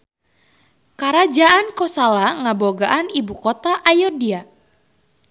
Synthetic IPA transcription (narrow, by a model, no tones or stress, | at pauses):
kaɾad͡ʒaankɔsalaŋaboɡaʔanibukɔt̪aʔajɔdia